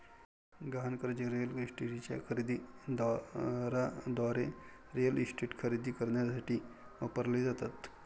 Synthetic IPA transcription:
ɡankəɾd͡ʑeɾelisʈeɾit͡ɕja̰kʰəɾid̪iːd̪ɾad̪ʋaɾe | ɾejəlisʈeːʈkʰəɾid̪iːkəɾɳjasaʈiː | ʋapəɾled͡zat̪at̪

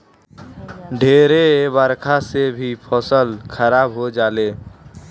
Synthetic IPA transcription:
ɖʱeːɾebəɾkʰasebʱipʰɔsəlkʰəɾabɦod͡ʒaːle

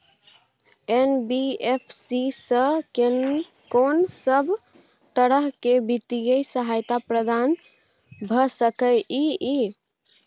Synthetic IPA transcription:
enbiepʰsisə̃ken | konsəbʱ | t̪əɾəɦkebit̪ijəjsəɦajt̪apɾəd̪an | bʱəsəkəjii

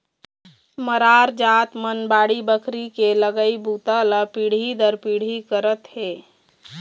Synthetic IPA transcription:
məɾaɾd͡ʒat̪mənbaɽibəkʰɾikeləɡəibut̪ələpiɽ̤id̪əɾpiɽ̤ikəɾət̪ɦe

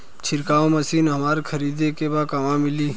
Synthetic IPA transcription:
t͡ʃʰɪɾkaːõmɐsiːnɦɐmaːɾekʰɐɾiːd̪ekebaːkamãmɪliː

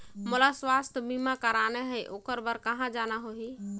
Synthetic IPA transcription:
molaswast̪ʰbimakəɾaneɦəjʔokəɾbəɾkəɦãd͡ʒanaɦoɦi

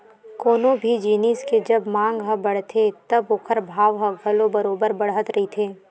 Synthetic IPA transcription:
koːnõbʱid͡ʒiːnisked͡ʒɐbmãːŋɡɦɐ̃bɐɽ̤t̪ʰet̪ɐbokʰəɾbʱaːʋɦɐ̃ɡʱɐlobɐɾoːbəɾbɐɽ̤ət̪ɾɐɦit̪ʰeː

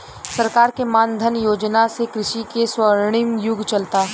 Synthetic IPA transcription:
sɐɾkaːɾkemãːnd̪ʱənjoːd͡ʒnasekɾɪʃikeswəɾɽ̃ɪmjʊɡt͡ʃɐlt̪aː

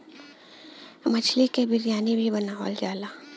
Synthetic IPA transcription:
mət͡ʃʰlikebɪɾjaːnibʱibɐnaɦɔ̰ːld͡ʒaːlaː

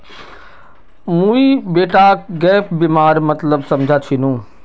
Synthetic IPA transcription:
mũibeːʈaɡɛːpbimaːɾmɐt̪ləbsɐmd͡ʒʱat͡ʃʰinũː

